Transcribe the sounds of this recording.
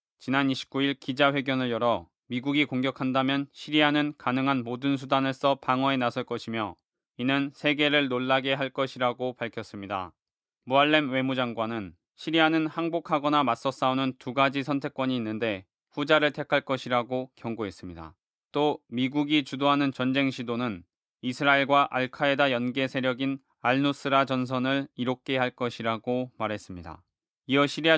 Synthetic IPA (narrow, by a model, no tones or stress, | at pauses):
t͡ɕinaniɕʰi̥p̚k͈uiɭkid͡ʑaɸwe̞ɡjʌnɯɭjʌɾʌ | miɡuɡikoŋɡjʌkʰandamjʌnɕʰiɾiɦanɯnkanɯŋɦanmodɯnsʰudanɯɭs͈ʌpaŋwʌenasʰʌɭk͈ʌɕʰimjʌ̰ | inɯnsʰe̞ɡe̞ɾɯɭnoɭːaɡe̞ɦaɭk͈ʌɕʰiɾaɡopaɭkʰjʌs͈ɯmɲida̰ | muaɭːe̞mwe̞mud͡ʑaŋɡwanɯn | ɕʰiɾiɦanɯnhaŋbokʰaɡʌnamas͈ʌs͈aonɯntuɡad͡ʑisʰʌntʰe̞k͈wʌɲiːnːɯnde̞ | ɸud͡ʑaɾɯɭtʰe̞kʰaɭk͈ʌɕʰiɾaɡokjʌŋɡoɦe̞s͈ɯmɲida̰ | t͈omiɡuɡit͡ɕudoɦanɯnt͡ɕʌnd͡ʑe̞ŋɕʰidonɯn | isʰɯɾaeɭɡwaʔaɭkʰaedajʌnɡe̞sʰe̞ɾjʌɡin | aɭnus͈ʰɯɾad͡ʑʌns̬ʰʌnɯɭiɾok̚k͈e̞ɦaɭk͈ʌɕʰiɾaɡomaɾɦe̞s͈ɯmɲida̰ | iʌɕʰiɾia